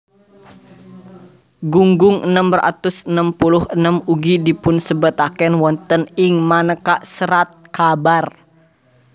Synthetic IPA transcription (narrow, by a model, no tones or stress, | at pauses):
ɡuŋɡʊŋʔənəmbəra̰t̪usənəmpulʊhənəmuɡidipʊnsəbət̪akɛnwɔnt̪ənɪŋmanəkaʔsəɾat̪̚kabar